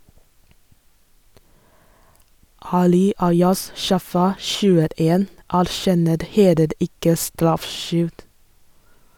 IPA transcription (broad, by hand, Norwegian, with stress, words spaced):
ˈɑːlɪ ˈɑɪɑs ˈʃɑfɑ ʃʉːəˈeːn æɾˈʃɛnəɾ ˈheːləɾ ˈɪkə ˈstɾɑfˌʃʏld